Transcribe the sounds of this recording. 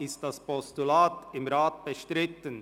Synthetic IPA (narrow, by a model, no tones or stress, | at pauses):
ɪst̚d̥aspɔstulaːtɪmɾaːt̚b̥əʃtʁɪtən